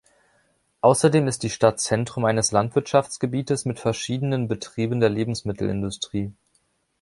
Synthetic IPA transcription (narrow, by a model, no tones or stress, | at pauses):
ʔaʊsɐdeːmɪst̚d̥iːʃtatt͡sɛntʁ̥ʊmʔaɪnəslantv̥ɪɐtʃaft͡sɡ̥əbiːtəsmɪtfɛɐʃiːdənənbətʁ̥iːbəndeːɐleːbm̩smɪtʰl̩ɪ̰ndʊstʁ̥iː